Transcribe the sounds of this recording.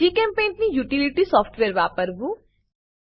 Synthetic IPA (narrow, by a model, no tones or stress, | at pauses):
iːkɛ̃ːmpẽːnʈnĩjuːʈiliʈisɔːfʰʈʋeːɾʋaːpəɾbu